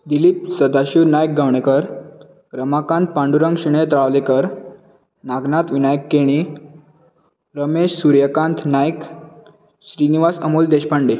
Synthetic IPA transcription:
d̪ilip̚səd̪aɕuɾnajk̚ɡʱəwɳekəɾ | ɡɾəmakãnt̪̚pãɳɖuɾəŋɡɕiɽ̃et̪ɾaʋlekəɾ | naɡnat̪ʋinajkːeɽ̃i | ɾəmeɕsuɾjəkãnt̪ʰnajk | ɕɾiniʋasəmuːld̪eɕpaɳɖi

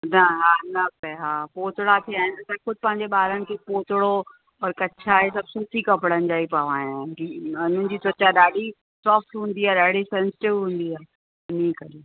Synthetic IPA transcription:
nɐɦaːnɐpɛɦaːpoːt̪ʊɽat̪ʰiaːɪ̃nt̪ɐxʊd̪̚ʱɪpɐ̃ɦɪ̃ɲ̆d͡ʑeɓaːɾənɪ̆kʰepoːt̪ʊɽo | ɔːɾkɐt͡ɕʰaɦesɐb̚suːsikɐpɽənɪ̆d͡ʑaːipaʋaːjãːkiʊnən̆d͡ʑiːsɐt͡ɕaɗaːɗi | sɔːfʈɦũːn̆d̪iaːɗaːɽisɛ̃nsɪ̥ʈɪʋɦũːn̆d̪iaː | niːkɐɗi

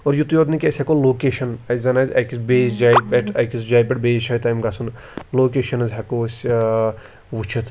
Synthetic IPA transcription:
ɔɾjut̪joːd̪nikʲɐsʲɐkoloːkeʃɐnɐzzɐnazʲɐkisbeːzd͡ʒajpeʈʰɐjkisd͡ʒajpʲeʈ̚beːzt͡ʃʰɐit̪ɐjmɡasʰun | loːkeːʃɐnɐzʲɦɐkoːsʲ | ʋut͡ʃʰɐt̪ʰ

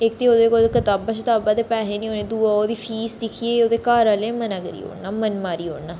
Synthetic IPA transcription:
ɪkt̪eːoːd̪eːkolkət̪aːbaːʃɪt̪aːbaːd̪eːpɛːɦeːnĩːɦoːneːd̪uːaːoːd̪iːpʰiːsd̪ɪkʰieoːd̪eːkaːɾaːlẽːmənãːkəɾḭːɦo̰ːnaːmənmaːɾiːɦo̰ːnaː

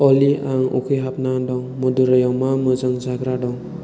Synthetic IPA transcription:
ɔliaŋṵkʰɯɦap̚nadɔŋmuduɾajawmamɯzɯŋzaɡɾadɔŋ

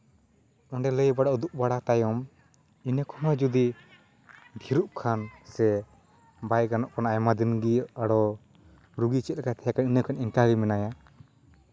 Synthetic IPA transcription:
ɔɳɖɛləjbaɽaʔud̪uʔ̚baɽat̪ajɔm | inəkʰɔnɔd͡ʒud̪i | d̪ʱiɾuʔkʰansɛ | bajɡanɔʔkʰɔnajmad̪inɡiaɽɔ | ɾuɡit͡ʃɛt̪̚akat̪ʰɛjakaninəkʰɔniŋkaɡimɛnaja

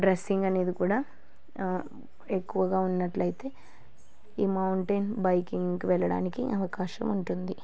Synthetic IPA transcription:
ɖɾesːiŋɡɐne̞ːd̪ikuːɽaː | ekːuʋɐɡaːunːɐʈlɐjt̪e̞ː | iːmɐwɳʈɐnbɐjkiŋkuʋɛɭɐɽa̰ːnikiʔɐʋɐkaːʃɐ̰muɳʈund̪i

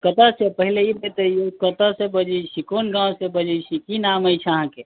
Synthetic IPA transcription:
kət̪asepəɦileibet̪əjokət̪asebəd͡ʒəsikonɡãsebəd͡ʒəjsikinaməjt͡ʃʰəɦãke

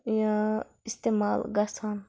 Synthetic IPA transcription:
jã | ist̪emalɡasan

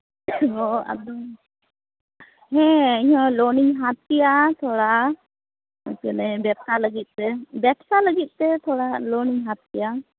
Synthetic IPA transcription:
ɔa̰d̪ɔm | ɦɛ̃iɲãlɔniŋɦat̪̚ːijat̪ʰɔɽaʔ | ɔskənɛbɛp̚taləɡit̪̚ˀt̪ɛbɛpsaləɡit̪̚t̪ɛt̪ʰɔɽalɔniŋɦat̪̚ːija

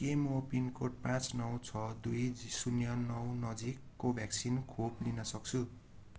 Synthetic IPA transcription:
kemopinkoʈ̚pãt͡snʌwt͡sʰʌd̪ujsunjʌnʌwnʌd͡zikːobʱjaksinkʰoplinʌsʌk̚t͡sʰu

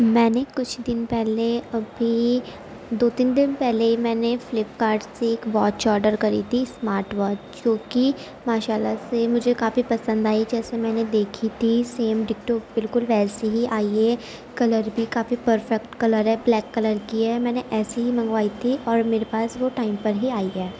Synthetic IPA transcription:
mɛ̃ːnekʊt͡ʃʰd̪ɪnpɛɦleɐbʱi | d̪oːt̪iːnd̪ɪnpɛɦleimɛ̃ːneflɪpkaːɾɖseeːkʋɔːt͡ʃɔːɾɖəɾkɐɾḭt̪ʰismaːɾʈʋɔːt͡ʃd͡ʒt͡ʃjõːki | maːʃaːlasemʊd͡ʒʱekaːfipɐsə̃nd̪aːid͡ʒɛːsemɛ̃ːned̪eːkʰit̪ʰiseːmɖɪkʈobɪlkʊlʋɛːseɦiʔaːie | kɐləɾbʱikaːfipəɾfɛkʈkɐləɾɦɛblɛːkːɐləɾkiaɦɛmɛ̃ːneʔɛːsiɦimɐ̃ŋɡʋaːit̪ʰiɔːɾmeːɾepaːsʋoʈaːɪmpɐɾɦiaːiɦɛː

